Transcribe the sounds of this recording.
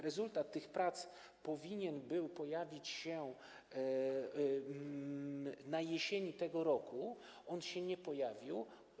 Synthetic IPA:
ɾɛzult̪at̪ːɘxpɾat̪s | pɔvʲiɲɛnbɘwpɔjavʲit͡ɕɕɛ | najɛɕeɲit̪ɛɡɔɾɔku | ɔnɕɛɲɛpɔjavʲiw

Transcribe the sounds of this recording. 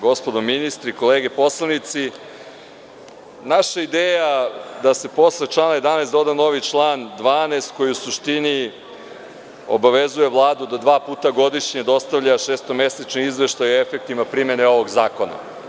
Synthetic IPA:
ɡo̞spod̪o̞minist̪ɾiko̞leːɡepo̞slˠanit̪si | naʃaid̪eːjad̪ase̞po̞slet͡ʃlˠaːnaje̞d̪anesd̪o̞d̪ano̞ʋit͡ʃlˠaːnd̪ʋaːnest̪ko̞jiusuʃt̪ini | o̰baʋe̞zuje̞ʋlˠaːd̪ud̪ad̪ʋaːpuːt̪aɡo̞d̪iʃɲed̪o̞st̪avʎaʃeːst̪o̞me̞set͡ʃniizʋe̞ʃt̪ajoefek̚t̪imapɾimene̞o̞ʋo̞ɡzaːko̞na̰

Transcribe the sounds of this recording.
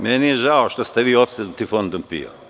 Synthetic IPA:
mɛnijeʒaoʃt̪ost̪eʋiːopst̪aut̪ifo̞nd̪ompḭo̰

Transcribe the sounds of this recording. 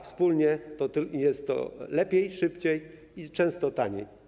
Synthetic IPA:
fspulɲɛt̪ɔt̪jɛst̪ːɔ̰lɛpʲjejʂɘpt͡ɕej | it͡ʂɛ̃w̃st̪ɔt̪aɲḛj

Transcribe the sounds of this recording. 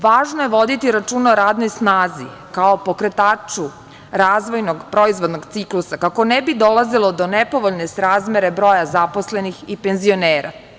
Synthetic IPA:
ʋaːʒnojeʋo̞d̪it̪iɾat͡ʃunoɾaːd̪nojsnaːzi | kaopo̞kɾet̪aːt͡ʂu | ɾaːzʋo̞jnoɡpɾoizʋod̪noɡt̪siklˠusakako̞nɛbid̪o̞lazilˠo̞d̪o̞nɛpo̞ʋoʎnesɾaːzmeɾebɾo̞jazaposlenixipenzio̞neːɾa̰

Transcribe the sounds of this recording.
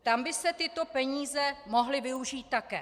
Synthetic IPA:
t̪ambɪsɛt̪ɪt̪o̞pɛɲiːzɛmo̞ɦlɪvɪuʒiːt̪̚ːakɛ̰ː

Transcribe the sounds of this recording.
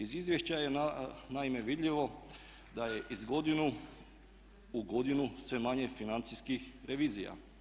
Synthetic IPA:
izizʋje̞ʃt͡ɕajenaime̞ʋid̪ʎiʋo̞ | d̪aje̞ʔizɡo̞d̪inu | uɡo̞d̪inusʋe̞maɲefinant̪siskixɾe̞ʋiːzija̰

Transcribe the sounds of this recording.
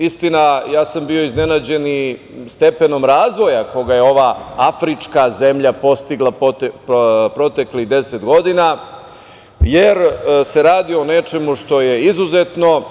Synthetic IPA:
ist̪inajaːsambio̞izne̞nad͡ʑe̞ni | st̪e̞pe̞no̞mɾaːzʋo̞jako̞ɡajeo̞ʋaafɾit͡ʂkaze̞mʎapo̞st̪iɡlˠa | pɾo̞t̪e̞kliɣd̪e̞set̪ɡo̞d̪ina | jeɾse̞ɾaːd̪ione̞t͡ʂe̞muʃt̪o̞je̞izuzet̪no̞

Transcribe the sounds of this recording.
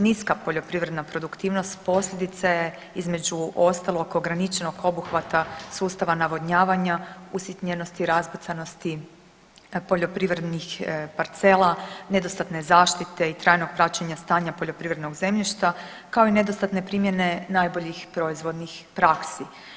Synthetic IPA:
niskapo̞ʎo̞pɾiʋɾe̞d̪napɾo̞d̪ukt̪iːʋnost̪po̞sʎʲed̪it̪saje | izme̞d͡ʑuʔo̞st̪alo̞ɡo̞ɡɾanit͡ʃe̞no̞ɡo̞buxʋat̪asuːst̪aʋanaʋo̞d̪ɲaːʋaɲausjit̪ɲeno̞st̪iɾazbot̪sano̞st̪i | po̞ʎo̞pɾiʋɾed̪nixpaɾt̪se̞lˠane̞d̪o̞st̪at̪ne̞zaːʃt̪it̪e̞it̪ɾaːjnoɡ̚pɾat͡ɕeɲast̪aːɲapo̞ʎo̞pɾiʋɾe̞d̪no̞ɡze̞mʎiʃt̪a | kao̞ine̞d̪ost̪at̪ne̞pɾiːmje̞ne̞naːjbo̞ʎixpɾo̞izʋo̞d̪nixpɾaksi

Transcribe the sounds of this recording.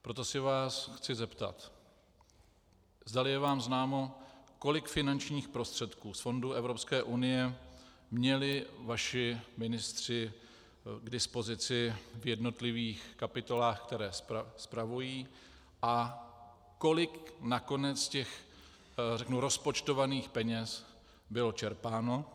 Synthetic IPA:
pɾot̪o̞sɪvaːsxt͡sɪzɛpt̪a̰t̪ | zdalɪjɛvaːmznaːmo̞ko̞lɪkfɪnant͡ʃɲiːxpɾo̞st̪r̥ɛt̪kuːsfo̞nduːʔɛvɾo̞pskɛːʔunɪjɛmɲɛlɪvaʃɪmɪnɪst̪r̝̥ɪ | ɡdɪspo̞zɪt͡sɪvjɛdno̞t̪lɪviːxkapɪt̪o̞laːxk̚t̪ɛɾɛːsspɾavujiː | ʔa | ko̞lɪknako̞nɛt͡scɛx | rɛknuɾo̞spot͡ʃt̪o̞vaniːxpɛɲɛs | bɪlo̞t͡ʃɛɾpaːno̞

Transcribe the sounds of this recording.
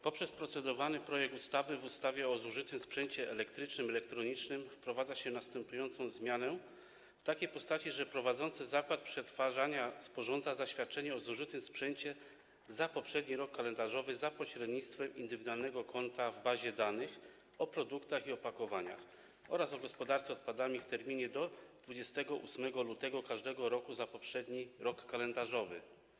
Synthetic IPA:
pɔpʂɛspɾɔt̪sɛd̪ɔvanɘpɾɔjɛk̚t̪ust̪avɘvust̪avʲjɛɔzuʐɘt̪ɘmspʂɛɲt͡ɕɛʔɛlɛkt̪ɾɘt͡ʂnɘmɛlɛkt̪ɾɔɲit͡ʂnɘmfpɾɔvad̪zaɕɛnast̪ɛmpujɔnt̪sɔ̃w̃zmʲjanɛ | ft̪akʲejpɔst̪at͡ɕiʐɛpɾɔvad̪zɔnt̪sɘzakwat̪̚pʂɛt̪faʐaɲaspɔʐɔnd̪zazaɕfʲjat̪̚t͡ʂɛɲɛɔzuʐɘt̪ɘmspʂɛɲt͡ɕɛ | zapɔpʂɛd̪ɲiɾɔkːalɛnd̪aʐɔvɘzapɔɕɾɛd̪ɲit̪st̪fɛmḭnd̪ɘvʲid̪ualnɛɡɔkʰɔnt̪avbaʑɛd̪anɘx | ɔpɾɔd̪ukt̪axiɔpakɔvaɲa̰x | ɔ̰ɾasɔɡɔspɔd̪aɾt̪sɛɔt̪pad̪amʲift̪ɛɾmʲiɲɛd̪ɔd̪vud͡ʑɛst̪ɛɡɔʔṵsmɛɡɔlut̪ɛɡɔkaʐd̪ɛɡɔɾɔkuzapɔpʂɛd̪ɲiɾɔkːalɛnd̪aʐɔvɘ̰

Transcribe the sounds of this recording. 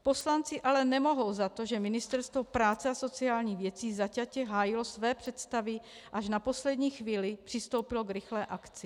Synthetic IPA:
po̞slant͡sɪʔalɛnɛmo̞ɦo̞wzat̪o̞ʒɛmɪnɪst̪ɛɾst̪vo̞pɾaːt͡sɛaso̞t͡sɪaːlɲiːɣvjɛt͡siːzacacɛɦaːjɪlosvɛːpr̝̥ɛt̪st̪avɪ | ʔaʃnapo̞slɛd̪ɲiːxviːlɪpr̥ɪst̪o̞wpɪlo̞ɡɾɪxlɛːʔakt͡sɪ

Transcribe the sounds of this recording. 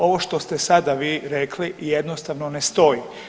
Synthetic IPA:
o̞ʋo̞ʃt̪o̞st̪esad̪aʋiːɾekʰlijed̪nost̪aʋnonest̪o̞ji

